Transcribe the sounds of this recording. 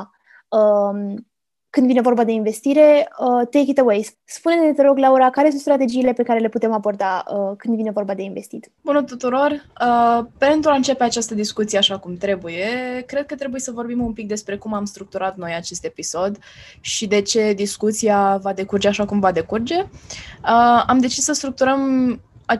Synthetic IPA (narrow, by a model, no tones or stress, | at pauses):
əm | kɨnd̪vine̞vo̞rbad̪e̞inve̞st̪iɾe̞ət̪ekit̪ewejs | spuneinet̪eɾo̞ɡlauɾakaɾesũnt̪st̪ɾat̪e̞d͡ʒiːle̞pe̞kaɾe̞le̞put̪e̞mabo̞rd̪aəkɨnd̪vinevo̞rbad̪e̞inve̞st̪it̪ʲ | bunət̪ut̪uɾo̞rəpe̞nt̪ɾuaɨnt͡ʃe̞pe̞at͡ʃast̪əd̪iskut̪sijeaʃakumt̪ɾe̞buje̞kɾe̞d̪̚kət̪ɾe̞buje̞səvo̞rbimumpik̚d̪e̞spɾe̞kumamst̪ɾuk̚t̪uɾat̪no̞jat͡ʃe̞st̪e̞piso̞d̪ | ʃid̪e̞t͡ʃe̞d̪iskut̪sijavad̪e̞kurd͡ʒe̞aʃakumvad̪e̞kurd͡ʒe̞əamd̪e̞t͡ʃisːəst̪ɾuk̚t̪uɾəma